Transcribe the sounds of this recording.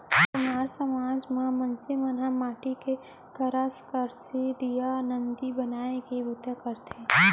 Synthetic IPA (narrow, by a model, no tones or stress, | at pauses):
pʊnaːɾsəmaːd͡ʒmãmɐnsimɐnɦamaːʈike | kɐɾaskəɾsed̪ijanənd̪ibɐnaːekibut̪ekəɾt̪ʰeː